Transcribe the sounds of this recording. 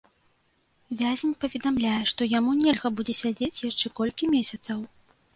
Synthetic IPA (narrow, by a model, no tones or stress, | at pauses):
vʲazʲmʲpɐvʲɛd̪amlʲajɛʂt̪ɔjamunʲelʲɣɐbud͡zʲɛsʲad͡zʲet͡sʲjaʂt͡ʂɛkɔlʲkʲimʲesʲɐt̪sɐw